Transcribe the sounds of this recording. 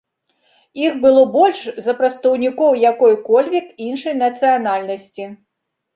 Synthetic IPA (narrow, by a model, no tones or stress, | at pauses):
ixbɨlˠɔbɔlʲʂzɐpɾɐt̪st̪ɐwnʲikɔwjakɔjkɔlʲvʲikinʂɐjnɐt̪sɨjanalʲnɐsʲt͡sʲi